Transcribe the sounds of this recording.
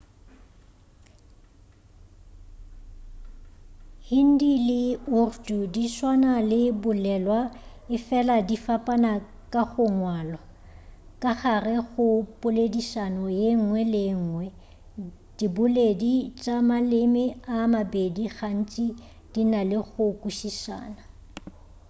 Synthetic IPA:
hin̩dilɪʊrdudiʃwanalɪbʊlɛlwa | ɪfɛladifapʼana | kʼaɣʊŋwaːlɔ | kʼaχarɛɣʊpʼʊledisanɔjeŋ̩ŋwɛlɪŋ̩ːŋwɛ | d̥ibʊledit͡ʃʼamalɪmɪamabediɣan̩t͡ʃʼi | d̥inalɪɣʊkʼuʃiʃa̰ːna

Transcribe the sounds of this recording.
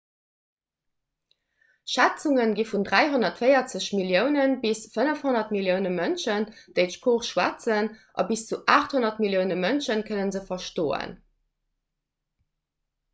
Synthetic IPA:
ʃæt͡suŋənɡifundʁæɪɦonɐtfəɪɐt͡səɕmiljəʊnənbisfənəfhonɐtmiljəʊnəmənʃənd̥əɪtʃpʰoːχʃwæ̰t͡sənʔɑ̰bist͡suʔaːχthonɐtmiljəʊnəmənʃənkʰənənzəfɐʃtoːə̰n

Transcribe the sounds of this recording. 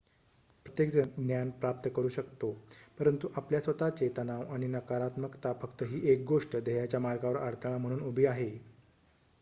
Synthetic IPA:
pɾət̪jekd͡zd̪njanpɾap̚t̪əkəɾuːɕəkt̪opəɾənt̪uʔapljasʋət̪at͡ɕet̪ənaʋaɽ̃inəkaɾat̪məkt̪afəkt̪əɦiːʔek̚ɡoʂʈəd̪eɦjat͡ɕjamalkaʋəɾəɾt̪ʰəɽ̃am̤əɽ̃uːnubʱiːaɦe

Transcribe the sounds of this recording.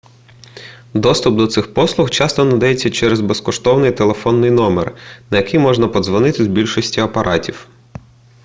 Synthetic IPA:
d̪ɔst̪ʊp̚d̪ɔt̪sɪxpɔslˠʊxt͡ʃɑst̪ɔnɐd̪ɑjet͡sʲːɐt͡ʃɛɾɛzbeskɔʃt̪ɔwnɪjt̪elˠefɔnːɪjnɔmḛrnɐjɐkɪjmɔʐnɐpɔd̪zʋɔnɪt̪ɪzbʲilʲʃɔsʲtʲiɐpɐɾʔɑtʲiw

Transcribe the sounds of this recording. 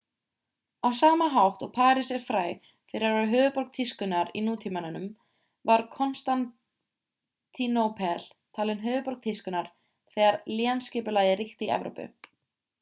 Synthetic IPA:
awsaːmaɦawht̪ɔɣpʰaːɾɪsɛɾ̥fɾaːj | fɪɾɪɾaaðɦœːvʏpɔɾk̚t̪ʰiskʏnaɾḭnuːt̪ʰiːmananʏm | vaɾ̥kʰɔnst̪an | t̪ʰːinowpʰɛl | t̪ʰaːlɪnɦœːvʏpɔɾ̥k̚t̪ʰiskʏnaɾ̥ | θɛːɣaɾliːanscɪːpʏlaːɣðɪriht̪iɛ̰vɾo̰wpʏ̰

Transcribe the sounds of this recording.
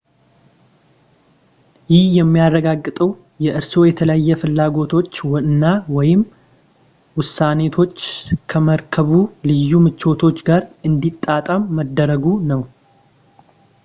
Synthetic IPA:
jɪhjɛmːijarːəɡaɡːɨt̪ʼəw | jɛʔɨɾso̞jɛt̪ʰələjjːɛfɨlːaɡo̞t̪ʰo̞t͡ʃːwɨnːawɔjɪm | wʊsːane̞t̪ʰo̞t͡ʃːkʰəməɾkʰəβulɨjːumɨt͡ʃːo̞t̪ʰo̞t͡ʃːɡaɾɨnd̪it̪ʼːat̪ʼamːəd̪ːəɾəɡunəw

